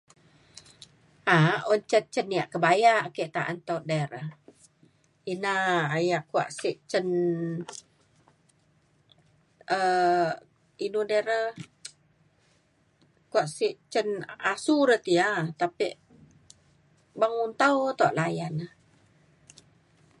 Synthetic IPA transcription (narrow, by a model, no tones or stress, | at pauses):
ʔaɔɲt͡ʃət̪̚t͡ʃəniaʔkəbajaʔkeʔt̪aʔant̪oʔdɛɾə | inaːjaʔkua̰ʔsiʔt͡ʃən | ə | inudɛɾə | kuaʔsiʔt͡ʃənasuɾət̪iat̪apiʔ | baŋunt̪awt̪oʔlajanə